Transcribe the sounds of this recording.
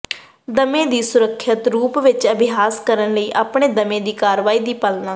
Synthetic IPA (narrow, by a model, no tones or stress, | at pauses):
d̪əmẽːd̪iːsʊɾəkʰːət̪ɾuːpʋɪt͡ʃəbɪɦaːskəɾənləiːʔaːpɳeːd̪əmẽːd̪iːkaːɾʋaːiːd̪iːpəlnaː